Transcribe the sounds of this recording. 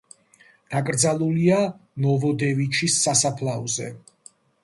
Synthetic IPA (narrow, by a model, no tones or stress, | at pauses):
d̪̥akʼɾd̪zalˠulianɔvɔd̪ɛvit͡ʃʰisːasapʰlˠaɔzɛ̰